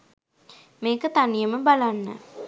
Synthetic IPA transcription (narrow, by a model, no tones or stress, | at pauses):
meːkət̪anijəməbalanːə̰